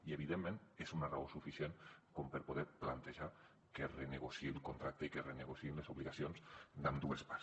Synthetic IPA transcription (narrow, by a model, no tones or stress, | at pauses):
ieβiðemːẽnezunaraosufisjenkompeɾpoðeɾplant̪eʒa | kereneɣosiilˠkont̪ɾak̚t̪eikereneɣosiimlezuβliɣasionsd̪amd̪uespa